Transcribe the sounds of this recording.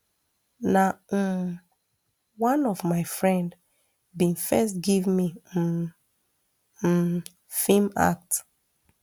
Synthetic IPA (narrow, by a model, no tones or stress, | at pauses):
na | wãnɔvmaɪfɹɛ̃nd | bĩnfɛstɡivmi | fima̰k̚t